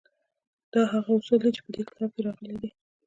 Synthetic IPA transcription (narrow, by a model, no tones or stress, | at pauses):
d̪̥ɑɦaɣaʊsuld̪it͡ʃe̥pəd̪ekɪ̥t̪ʰɑb̚keɾɑɣəlid̪i